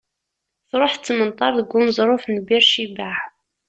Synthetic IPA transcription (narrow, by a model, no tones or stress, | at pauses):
θɾˤoħt͡sːmənt̪ˤɑɾˤðəɡʷːunzˤɾˤʊfnbiɾʃibaʕ